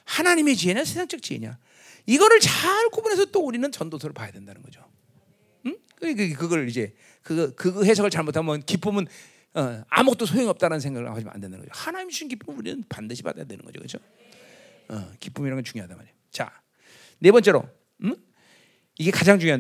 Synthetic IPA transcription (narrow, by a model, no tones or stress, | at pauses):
hanaɲime̞t͡ɕie̞ɲasʰesʰaŋt͡ɕ͈ʌk̚t͡ɕie̞̰ɲa̰ | iɡʌɾɯɭt͡ɕaɭkʰobune̞sʰʌt͈ouɾinɯnt͡ɕʌndosʰʌɾɯɭpajadwe̞ndanɯnɡʌd͡ʑo | kɡkɯɡʌɭid͡ʑe̞ | kɯʌkɯhe̞sʰʌɡɯɭt͡ɕaɭmotʰamjʌnkip͈ɯmɯn | ʌa̰mut͈osʰoiŋʌp̚t͈aɾanɯnsʰeŋɡaɡɯ̰kʰad͡ʑim̰a̰ndwendanŋɡʌ̰d͡ʑohanaɲimd͡ʑuɕʰinkip͈umuɾinɯnpandɯɕʰiba̰da̰jadwe̞nɯnŋɡʌd͡ʑo̰kɯd͡ʑo | ʌ̰kip͈umiɾaɡʌnt͡ɕuŋjoɦadama̰ne | t͡ɕa̰ | ne̞bʌnt͡ɕ͈e̞ɾo̰ | iɡe̞kad͡ʑaŋt͡ɕuŋjoa